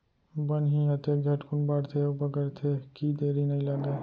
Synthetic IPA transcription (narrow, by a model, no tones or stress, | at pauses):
bənɦĩɦɐt̪eɡʱɛʈkʰunbaɾt̪ʰeobəɡəɾt̪ʰekid̪eːɾinɐĩlaɡe